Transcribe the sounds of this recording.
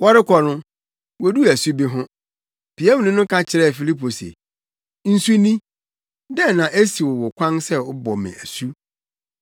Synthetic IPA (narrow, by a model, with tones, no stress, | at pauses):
wɔ˦ɾɪ˦kʰɔ˨nʊ̃˦ | wo˦du˦æ˨su˦bi˦ɦʊ̃˦ | pʰi˨æ˦m̃˨nɪ̃˦nʊ̃˦kʰã˦t͡ɕʰɪ˨ɾɛ˦˨fi˨li˦pʰo˨sḛ˨ | n̩˦su˦nĩ˦ | dɛ˦nã˨ʔe˦si˨wɔ˨wɔ˨kʷʰã˦nsɛ˦ʊ˦bɔ˨mɪ̰̃˨æ˨su˦